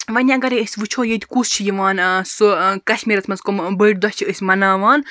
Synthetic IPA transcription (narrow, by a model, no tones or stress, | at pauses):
ʋɐnʲaɐɡɐɾiɨsʲʋɨt͡ʃʰoːjet̪ʲkust͡ʃʰijiʋaːnsukɐʃmʲiːɾɐt͡s̪ʰmɐzkɔmbɨʈ̚ʲd̪ɔst͡ʃʰiɨsʲmɐnaːʋaːn